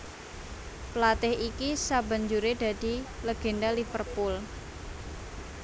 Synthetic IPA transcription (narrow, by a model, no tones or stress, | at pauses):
pəlat̪ɪhikisaba̤ɲd͡ʒuɾeda̤d̥i̤ləɡ̥e̤ndalifərpʊl